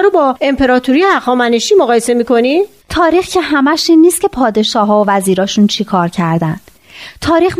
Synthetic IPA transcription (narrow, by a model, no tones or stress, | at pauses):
ɾobɒːe̞mpʰe̞ɾɒːt̪ʰuɾijeæxɒːmæneʃiːmoɣɒːjesemiːkʰo̞ni | t̪ʰɒːɾiːxcʰe̞ɦæmæʃiːnːiːst̪̚cʰe̞pʰɒːd̪e̞ʃɒːɦɒːovæziːɾɒːʃuːnt͡ʃʰikʰɒːɾcʰæɾd̪æn̥ | t̪ʰɒːɾiːx